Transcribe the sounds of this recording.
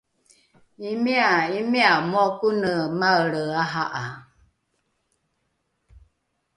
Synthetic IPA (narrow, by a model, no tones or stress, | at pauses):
imiaimiamɔkunəmaələaɦaʔa